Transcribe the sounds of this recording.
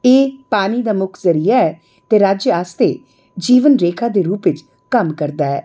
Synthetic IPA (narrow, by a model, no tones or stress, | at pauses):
eːpaːniːd̪aːmʊkʰzəɾiːaːɛː | t̪eːɾaːd͡ʒjaːst̪ḛː | d͡ʒiːʋənɾeːkʰaːd̪eːɾuːpʋɪt͡ʃ | kəmkəɾd̪aːɛ̰ː